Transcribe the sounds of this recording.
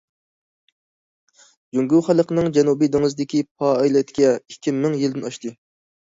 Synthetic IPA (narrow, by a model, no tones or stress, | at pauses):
d͡ʒuŋɡʲuχælˠəqənɨŋd͡ʒɛnubid̪eŋɨzd̪ɪkʲip̚ʰɑɛjlɛt̪kʲɛikʲʰːimɪŋjild̪ɪnɑʃt̪ɨ